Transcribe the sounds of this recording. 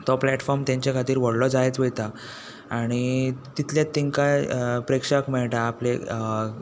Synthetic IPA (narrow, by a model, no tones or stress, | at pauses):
t̪ɔplɛʈfɔɾmt̪jãɲt͡ɕjakʰat̪iːɾʋɔɽlɔd͡zajet͡sʋet̪a | aɽ̃it̪it̪ljat̪ːiŋkapɾekʂakmɛɭʈaːple